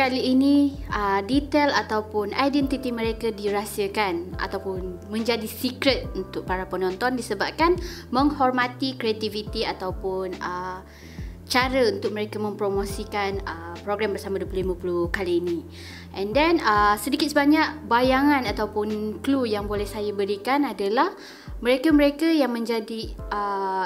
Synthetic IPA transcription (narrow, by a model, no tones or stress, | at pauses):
kaliːnĩədit̪ɛlat̪awpʊnajdɛnt̪it̪imə̃ɾekadiɾasiəkanʔa̰t̪awpʊnmə̃ɲd͡ʒadisikɾət̪̚unt̪ʊk̚paɾapənɔ̃nt̪ɔndisəbap̚kanmə̃ŋhɔrmãt̪ikɾeat̪ivit̪iat̪awpʊnə | t͡ʃaɾəunt̪ʊk̚məɾekəmə̃mpɾomosikanəpɾoɡɾambərsamãduəplulimapulukaliːnĩ | ʔɛndɛnəsədikɪt̪̚səbaɲaʔbajaŋãnat̪awpʊnklujaŋbolɛhsajabəɾikanadalah | mə̃ɾekaməɾekəjaŋmə̃ɲd͡ʒadiʔə